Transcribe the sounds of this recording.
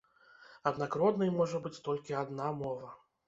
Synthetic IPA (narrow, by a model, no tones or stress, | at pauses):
ɐd̪nakɾɔd̪nɨjmɔʐɐbɨt͡sʲt̪ɔlʲkʲiad̪namɔvɐ